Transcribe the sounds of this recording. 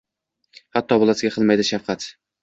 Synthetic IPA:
hat̪ʰːɒbʊlˠasɪɡʲaqʰɨlˠmajd̪ɪʃafqʰɑt̪

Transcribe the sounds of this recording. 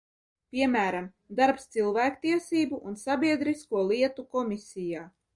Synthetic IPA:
pʲiɛmʲæːɾam | d̪aɾpst̪silˠvæːkt̪iɛsiːbuʔunsabʲiɛd̪ɾiskuɔlˠiɛt̪ukɔmisʲijaː

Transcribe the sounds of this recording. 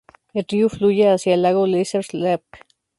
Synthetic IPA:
eɾjuflujeasjalaɣoliseɾslep

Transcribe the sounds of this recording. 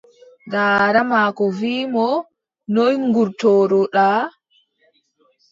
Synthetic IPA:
daːɾamaːkɔviːmɔ | nɔjŋɡuɾtɔːɾɔɗaː

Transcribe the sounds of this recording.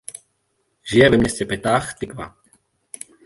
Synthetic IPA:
ʒɪjɛvɛmɲɛscɛpɛt̪aːxt̪ɪkva̰

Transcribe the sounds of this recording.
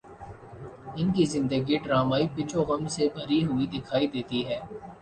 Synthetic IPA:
ɪnkizɪ̃nd̪əɡiɖɾaːmaːipɪt͡ʃʰoɣɐmsebʱɐɾiɦʊid̪ɪkʰaːid̪eːt̪iɦɛː

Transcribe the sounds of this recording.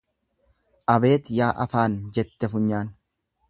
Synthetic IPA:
ʔɐbe̞ːt̪jaːʔɐ̰faːnd͡ʒɛt̪ːɛfʊɲːaːn

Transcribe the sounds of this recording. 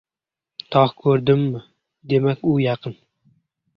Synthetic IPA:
t̪ʰɒχkʰɵɾd̪ɪmːɪ | d̪e̞makʲʊjɑqʰɨn

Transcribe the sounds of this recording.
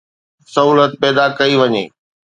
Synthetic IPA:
sɐɦuːlət̪̚pɛːd̪akɐiʋɐɲḛː

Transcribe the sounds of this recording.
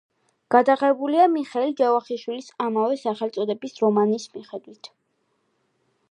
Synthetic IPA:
ɡ̥ad̪aʁɛbuliamiχɛld͡ʒavaχiʃwilisamavɛsaχɛlt̪sʼɔd̪ɛbisɾɔmanismiχɛd̪wit̪ʰ

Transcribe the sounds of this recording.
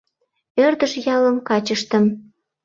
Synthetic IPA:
ørd̪əʃjɑləmkɑt͡ɕəʃt̪ə̆m

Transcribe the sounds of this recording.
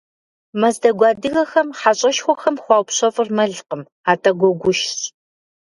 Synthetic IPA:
mɐzdɐɡʷɑːdɨɣɐxɐmħaɕʼɐʃxʷɔxɐmxʷɑːwpɕɐfʼɨrmɐɮqəm | aːtʼɐɡʷɔɡʷʊʃɕ

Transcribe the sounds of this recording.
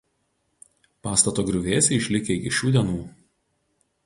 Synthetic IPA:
pɑːst̪ɐt̪oːɡɾʲʊʋʲeːsʲɛɪʃʲlʲɪkʲeːɡʲɪʃʲuːd̪ʲɛnuː

